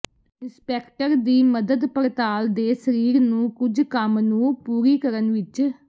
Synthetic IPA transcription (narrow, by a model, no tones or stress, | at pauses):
ɪnspɛːkʈəɾd̪iːməd̪əd̪pəɾət̪aːld̪eːsəɾiːɾnũːkʊd͡ʒkəmnũːpuːɾiːkəɾənʋɪt͡ʃ